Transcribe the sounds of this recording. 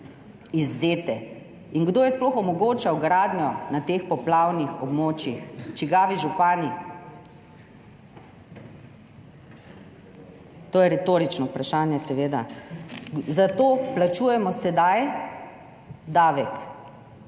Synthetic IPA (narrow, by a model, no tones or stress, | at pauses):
izːeːt̪ɛ | iŋɡd̪oːjɛsplɔxɔmɔɡoːt͡ʃawɡɾaːd̪njɔnat̪eːxpɔplawnixɔbmoːt͡ʃjixt͡ʃiɡaːʋiʒupaːni | t̪oːjɛɾɛt̪oːɾit͡ʃnɔupɾaʃaːnjɛsɛʋeːd̪a | zat̪oːplat͡ʃuːjɛmɔsɛd̪aj | d̪aːʋɛk